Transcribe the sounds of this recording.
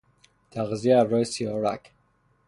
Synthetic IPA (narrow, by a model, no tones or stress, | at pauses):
t̪ʰæɣzijeːɾːɒːjesijɒːɾæ̰k